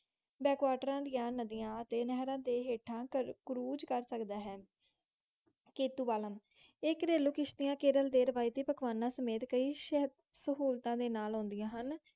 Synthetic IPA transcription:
bɛːkʋaːʈəɾãːd̪ɪjãːnəd̪ɪjãːət̪eːnɛːɦɾãːd̪eːɦeːʈʰãːkɾuːd͡ʒkəɾsəkd̪aːɦɛː | keːt̪uːbaːləm | ɪkɾeːluːkɪʃt̪ɪjãːkeːɾəld̪eːɾəʋaːiːt̪iːpəkʰʋaːnãːsəmeːt̪kəiːʃɛɦd̪ | səɦuːlt̪ãːd̪eːnaːlɦõːnd̪ɪjãːɦən

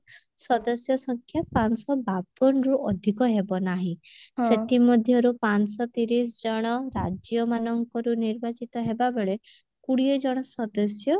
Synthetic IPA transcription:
sɔd̪ɔsjɔsɔŋkʰjapansɔbab̚ɔnɔɾuʔɔd̪ʱikɔɦebɔnaɦĩset̪imɔd̪ʱjɔɾupansɔt̪iɾis̬d͡ʒɔɽ̃ɔɾad͡ʒjɔmanɔŋkɔɾuniɾbat͡ʃit̪ɔɦebabeɭe | kuɽiɔd͡ʒɔɽ̃ɔsɔd̪ɔsjɔ

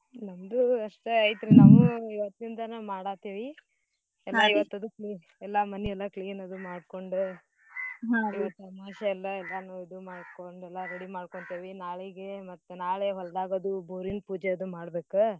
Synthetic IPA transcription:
nɐmd̪uɐʂʈeɐjt̪ɾenaːʋuiʋɐt̪ːind̪ɐnamaːɽaːt̪eːʋi | ɛlːɐiʋɐt̪ːɐd̪ukliː | ɛlːɐmɐniɛlːɐkliːnɐd̪umaːɽko̞ɳɖu | iʋɐt̪ːɐmaːʃɐɛlːɐɛlːɐnɐʋid̪umaːɖkoɳɖɛlːɐɾeɽimaːɽkoɳt̪eʋinaːɭiɡemɐt̪ːunaːɭeɦɔld̪aːɡɐd̪ubuːɾinpuːd͡ʒeɐd̪umaːɽbeːku

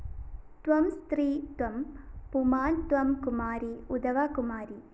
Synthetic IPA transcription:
t̪ʋɐmst̪ɾiːt̪ʋɐmpumaːnt̪ʋɐmkʊmaːɾiʊd̪ɐʋaːkʊmaːɾi

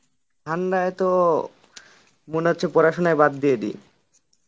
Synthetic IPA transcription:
dʰʱanɾaet̪o | moneɦotːɕʰepoɾaʃonaebad̪ːijedḭ

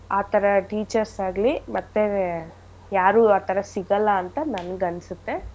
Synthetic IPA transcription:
aːt̪ʰɐɾɐʈiːt͡ʃɐɾsaːɡlimɐt̪ːe | jaːɾuːaːt̪ʰɐɾɐsiɡɐlːɐːnt̪ɐnɐnɐɡɐnːsut̪ːe̞

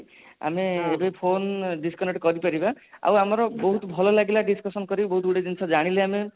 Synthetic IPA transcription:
a̰meebepʰonɖiskɔneʈkɔɾipaɾibaa̰wamɔɾɔbɔɦut̪ɔbʱɔlɔlaɡilaɖiskɔsɔnkɔɾibɔɦut̪uɽed͡ʒ̪insɔd͡ʒaɽ̃ileame

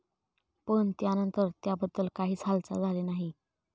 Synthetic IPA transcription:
pəɳt̪janənt̪əɾt̪jabəd̪ːəlkaɦiːt͡sʰalt͡sa̰d͡zʱalenaɦi

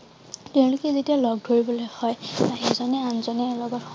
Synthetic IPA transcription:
tɛʊ̃lʊkɛzetialɔɡ̚dʱoɹibɔlojhɔjaɦɛzɔnɛanzɔnɛːlɔɡɔt

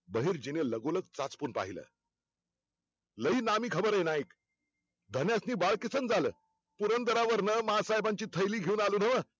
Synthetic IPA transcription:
bəɦiːɾd͡ʑineləɡolək̚t͡sat͡spuːnpa̰ɦilə̰ː | ləiːnamiːkʰəbəɾəjnaik | d̪ʱənjasniːbaɭkit͡sənd͡zaləː | puɾənd̪əɾaʋəɾnəməɦasaɦjbaɲt͡ɕiːt̪ʰəjliːɡʱeuːnaluːn̤əʋə

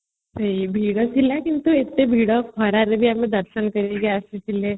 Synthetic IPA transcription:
sɐibʱiːɽot͡ʃʰilakɪnt̪uɪt̪ːebʱiːɽohɐɾaɾebʱiamẽd̪ɐɾʃənkɐɾeɡeaset͡ʃʰile

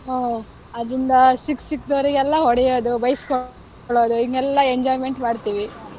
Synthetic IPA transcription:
ɦoː | ɐd̪ɾind̪ɐsiksik̚d̪oːɾiɡɛlːɐɦɔɽɛjoːd̪ubɐjskɔ | ɭoːd̪uiŋɡɛlːɐeɲd͡ʒaːjme̞ɳʈmaːɖt̪iːʋi

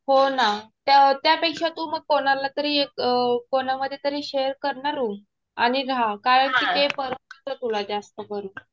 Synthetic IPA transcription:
honat̪t̪japekɕat̪ũːməɡ̚konaɾlat̪əɾiːekəkonaməd̪ʱːjet̪əɾiːɕeəɾkəɾɳaɾuːm | aɽ̃iɾakaɾəɳkiːt̪epəɾət̪ət̪ɾət̪ulad͡zast̪əkəɾuː

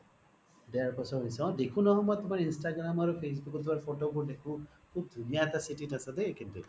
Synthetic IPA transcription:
deaɹpɔsɔɦisɔ̃d̪ekʰũnɔɦɔ̃mɔjt̪umaɹinsʈaɡɾamaɾupʰes̬bukɔt̪ʰuaɹpʰoʈok̬ud̪ekʰũ | kʰub̚d̪ʱunijaɛt̪asiʈiʈasad̪ekint̪ṵ

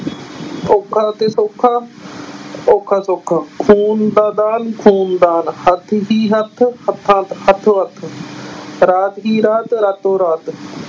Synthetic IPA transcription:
oːkʰːaːt̪eːsoːkʰːaː | oːkʰːaːsoːkʰːaːkʰuːnd̪aːd̪aːnkʰuːnd̪aːnhət̪ʰɦiːɦət̪ʰhət̪ʰːãːt̪hət̪ʰoət̪ʰ | ɾaːt̪ɦiːɾaːt̪ɾaːt̪oːɾaːt̪

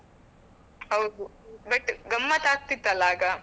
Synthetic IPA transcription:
ɦɐwd̪ubɐʈːɡɐmːɐt̪aːɡ̚t̪it̪ːɐlaːɡɐ

